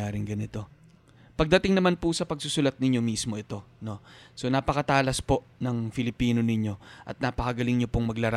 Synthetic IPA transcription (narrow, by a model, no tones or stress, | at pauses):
aːɾɪŋɡɐnɪt̪o̞ | pɐɡ̚d̪ɐt̪ɪŋnɐmanpusɐpɐɡsʊsʊlɐt̪̚nɪɲːo̞mismo̞ʔɛt̪o̞no̞so̞naːpɐkɐt̪aːlɐspo̞nɐŋfɪlɪpiːno̞nɪɲːo̞ʔɐ̰t̪̚naːpɐkɐɡɐlɪŋɲopoŋmɐɡlɐɾ